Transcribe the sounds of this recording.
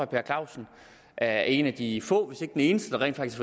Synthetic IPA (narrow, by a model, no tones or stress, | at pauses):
ɒpʰe̝ɐkʰlɑ̈ʊ̰sn̩ | ʔæe̝næd̥ifɔ̰̽ːʋe̝se̝ɡ̥əd̥ene̝ːnəsd̥əd̥ɑ̈ʁɛ̰n̥fɑ̈ɡ̥i̥kfɒ